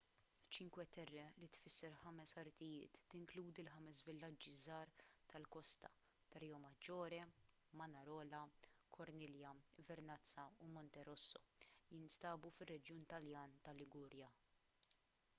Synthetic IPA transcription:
t͡ʃɪŋkwɛt̪ɛrːɛlit̪fɪsːɛɾħɐmɛsɐɾt̪ɪjɪːt̪ːɪŋkluːd̪ilħɐmɛsvɪlːɐd͡ʒːizɐːɾt̪ɐlkɔst̪ɐ̰ | t̪ɐɾɛjɔmɐd͡ʒɔːɾɛ | mɐnɐɾɔːlɐkʰɔɾnɪːljɐvɛɾnɐt͡sːɐumɔnt̪ɛɾɔsːɔjɪnst̪ɐːbufɪrːɛd͡ʒjuːnt̪ɐljɐːnt̪ɐlːɪɡuːɾjɐ

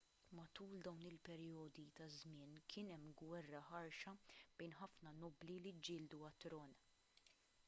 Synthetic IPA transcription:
mɐt̪uːld̪ɐwnɪlpɛɾjɔːd̪it̪ɐzmɪːnkʰɪːnɛmːɡwɛrːɐħɐɾʃɐb̥ɛjnħɐfnɐnɔːblilid͡ʒːɪːld̪uɐt̪ːɾɔːn

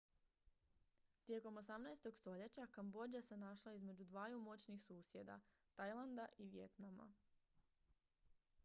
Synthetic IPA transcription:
t̪je̞ko̞mo̞samnajst̪o̞ɡst̪o̞ʎe̞t͡ɕakambo̞d͡ʑase̞naʃlaizme̞d͡ʑud̪ʋaːjumo̞t͡ɕnixsuːsje̞d̪a̰ | t̪ajlˠand̪aʔiʋje̞̰t̪nama̰

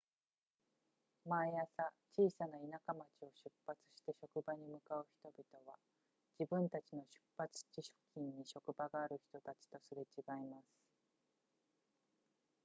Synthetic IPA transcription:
majasat͡ɕiːsanainakamat͡ɕio̞ɕɨpːat͡sɨ̥ɕi̥t̪e̞ɕo̞kɯ̟baɲ̟imɯ̟kaɯ̟çi̥t̪o̞bʲit̪o̞βa | d͡ʑibɯ̟̃nt̪at͡ɕino̞ɕɨ̥pːat͡sɨ̥t͡ɕiɕo̥kʲĩɲ̟ːiɕo̞kɯ̟baɡaːɾɯ̟çi̥t̪o̞t̪at͡ɕi̥t̪o̞sɨɾet͡ɕiɡaimasɨ̥

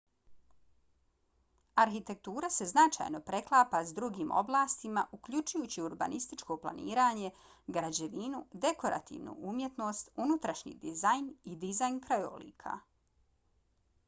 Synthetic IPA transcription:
aɾxit̪e̞k̚t̪uːɾase̞znat͡ʃa̰jno̞pɾe̞klˠaːpazd̪ɾuɡiːmʔo̞̰blˠaːst̪imaʔukʎut͡ʃujuːt͡ɕiuɾba̰nʔist̪it͡ʃko̞plˠa̰nḭːɾaːɲe̞ | ɡɾad͡ʑe̞ʋinud̪e̞ko̞ɾa̰t̪ḭːʋnṵʔumje̞t̪no̞ːst̪unut̪ɾaʃɲḭd̪izajnid̪izajnkɾajo̰lḭːkʰa̰

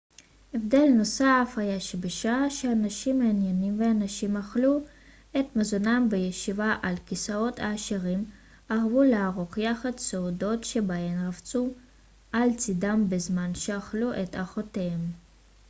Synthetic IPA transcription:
ʔe̞vd̪e̞lnosafhajaʃebeʃaʃeanaʃimːeanjenimveanaʃimaχlu | et̪mazonambejeʃivaʔalkisao̞t̪ʰaːʃiʁim | aʁvuleaʁoχjaχad̪seodo̞tʃebaemʁavt͡su | ʔalt͡sidambezmanʃeaχluʔet̪aχot̪ehem

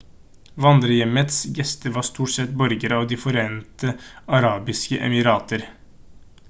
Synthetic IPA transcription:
ʋɑnd̪ɾəjɛmət̪sɡɛst̪əʋɑːst̪uːʈsɛt̪bɔɾɡəɾɑːʋd̪iːfɔɾeːnt̪əɑɾɑːbɪskə̰ʔɛ̰mɪɾɑːt̪ʰəɾ

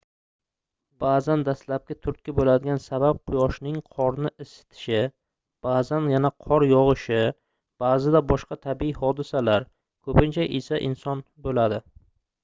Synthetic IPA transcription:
baːzand̪aslap̚kʲat̪ʰʊɾt̪̚kʲɪbolad̪ɪɡʲansabap̚qʰʊjɒʃnɪŋqʰɒɾnɪʔɪsɪ̥t̪ʰɪ̥ʃɪ | b̥aːzanjanaqʰɒɾjɒʁɨʃɪ | b̥aːzɪd̪abɒʃqɑt̪ʰabɪihɒd̪ɪsalaɾ | kʰɵpɪnt͡ʃʰaʔɪsaʔɪ̰nsɒn | bolad̪ɪ

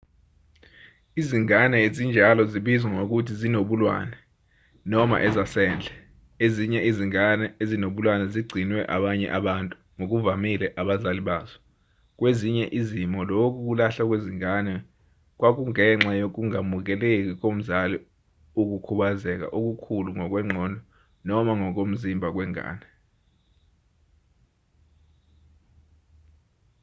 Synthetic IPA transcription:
iziŋanɛezind͡ʒʱalɔziɓizwaŋok̬utʰizinoɓulwa̰ːnɛ | nɔma̰ʔɛzasɛːnd͡ɮʱɛ | eziɲɛiziŋanɛezinoɓulwanɛziɡ͡ǀʱinwɛʔa̰ɓaɲɛ̰ʔaɓantʼu | ŋok̬uvamilɛʔaɓazaliɓaːzɔ̥ | k̬ʼweziɲɛʔizimɔlok̬ʼuk̬ulaɬak̬weziŋanɛ | k̬wak̬uŋɛŋ͡ǁajok̬uŋamuk̬ɛlek̬ʼik̬om̩zali | uk̬ukʰuɓazɛk̬a̰ʔok̬ukʰuluŋɔk̬wɛŋ͡ǁʱɔːndʱɔ | nɔmaŋɔk̬om̩zimbʱak̬ʼwɛŋa̰ːnɛ

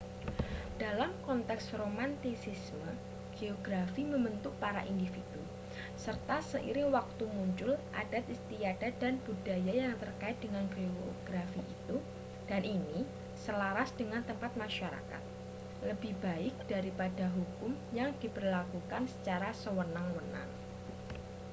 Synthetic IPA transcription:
d̥alamkɔnt̪ɛksromant̪isɪsmə | ɡ̥eoɡɾafiməmbənt̪ʊk̚paɾaʔindifid̥ṵ | sərt̪asəʔḭɾɪŋwak̚t̪umuɲt͡ʃʊlʔa̰dat̪ist̪iad̥adanb̥udajajaŋt̪ərkaɪt̪̚dəŋanɡeoɡ̥ɾafiːt̪u | d̥anʔini | səlaɾasd̥əŋant̪əmpat̪̚maʃaɾa̰ka̰t̪̚ | ləbɪhbaɪk̚d̥aɾipadaɦukʊmjaŋd̥ipərlakukansə̥t͡ʃaɾasəwənaŋwəna̰ŋ

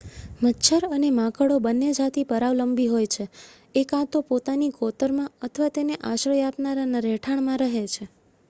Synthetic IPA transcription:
mətːʃʰəɾənemãkəɽobənːed͡ʒat̪ipəɾaʋləmbiɦojt͡ʃʰe | ekãt̪opot̪anikot̪əɾmãət̪ʰəʋat̪eneʔaʃɾəjapnaɾanaɾeʈʰaɳ̃mãɾəɦet͡ʃʰe

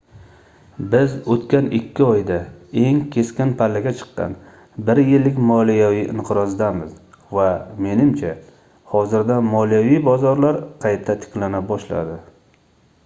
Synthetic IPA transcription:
bɪzot̪kʲanɪkʲʰːɪɒjd̪ae̞ŋkʲʰe̞skʲɪnpʰalːaɡʲat͡ʃʰɨ̥qːɑ̰n | bɪɾjɪlːɪk̬ʲmɒlijaviʔɪɴqʰɨɾɒzd̪amɪz | vame̞nɪmt͡ʃʰa | hɒzɪɾd̪amɒlijavijbɒzɒɾlaɾqʰɑjt̪ʰat̪ʰɪ̥kʲlanabɒʃla̰d̪ɪ

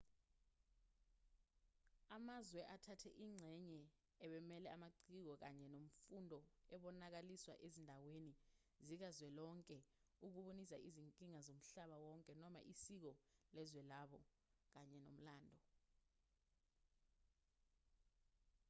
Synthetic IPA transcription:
amazwɛʔatʰatʰɛ̰ʔiːŋ͡ǀʱɛɲɛ | ɛɓɛmɛlɛamaǀik̬ɔk̬aɲɛnom̩fundʱɔɛɓɔnak̬aliswa̰ʔezindʱaweni | zik̬azwɛlɔŋkʼɛ | uk̬uɓunisa̰ʔiziŋkʼiŋazom̩ɬaɓawɔŋkʼɛnɔma̰ʔisik̬ɔlɛzwɛlaɓɔ | k̬aɲɛno̰m̩laːndʱɔ

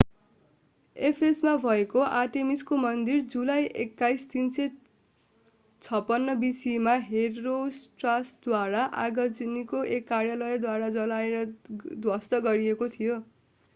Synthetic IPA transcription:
epʰesmabʱʌekoʔaʈemiskomʌnd̪ird͡zulajʔḛkːajst̪insʌ | t͡sʰʌpːʌnːʌbisimaɦerːosʈrasd̪waɾaʔaɡʌd͡zinikoʔekːarjalʌjd̪waɾad͡zʌlaeɾʌd̪wʌst̪ʌɡʌɾiekot̪ʰijo

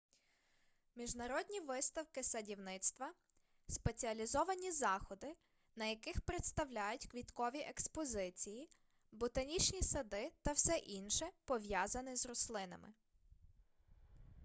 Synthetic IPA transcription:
mʲiʒnɐɾɔd̪ʲnʲiʋɪst̪ɐwkɪsɐdʲiwnɪt̪st̪ʋɐ | spe̞t͡sʲiɐlʲizɔʋɐnʲizɑxɔd̪ɪ | nɐjɐkɪxpɾet̪st̪ɐwlʲajʊtʲkʋʲit̪kɔʋʲiʔɛkspɔzɪt͡sʲiji | bʊt̪ɐnʲit͡ʃnʲisɐd̪ɪt̪ɐwsɛʔinʃɛpɔʋʲjɑzɐnʲɪzrɔslˠɪnɐ̰mɪ̰

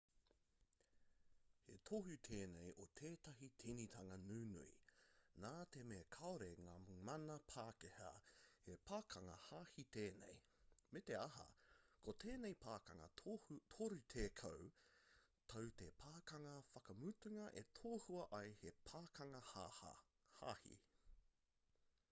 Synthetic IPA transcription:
he̞̰t̪ʰoɦut̪ʰeːnejʔot̪ʰeːt̪ɐɦitʰinit̪ʰɐŋɐnuːnṵḭnaːt̪emeːkʰɐoɾeŋaːmɐnɐpʰaːkehɐ̰hepʰaːkʰɐŋɐ̰haːhit̪eːnḛj | met̪e̞ɐɦɐ̰kʰot̪ʰeːnejpʰaːkɐŋɐ̰t̪ʰoɾʉt̪ʰeːkʰɐw | t̪ʰowt̪epʰaːkɐŋɐfɐkɐmut̪uŋɐʔe̞t̪ʰoːhuɐʔɐjhepʰaːkɐŋɐ | haːhḭ

